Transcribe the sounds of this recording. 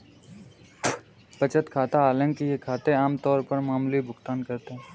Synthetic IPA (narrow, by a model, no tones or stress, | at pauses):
pɐt͡ʃət̪kʰaːt̪aaːlə̃ŋkijekʰaːt̪eaːmt̪ɔːɾpɐɾmaːmulibʱʊkt̪aːnkɐɾt̪eɦɛ̃ː